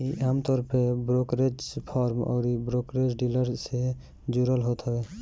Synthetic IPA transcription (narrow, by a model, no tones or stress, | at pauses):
iʔaːmt̪ɔːɾəpʰebɾokɾed͡ʒpʰɔːɾmɔ̰ːɾibɾokɾed͡ʒɖiləɾse | d͡ʒuɾəlɦot̪ɦəbe